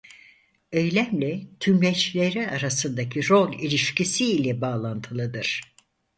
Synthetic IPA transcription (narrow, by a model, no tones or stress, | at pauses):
ejlʲæmlʲɛt̪ʰymlɛt͡ʃlʲeɾiaɾasɯnd̪acʰiɾo̞lʲˠilʲiʃcisiːlʲɛbaːlˠant̪ʰɯlˠɯd̪ɯɾ̥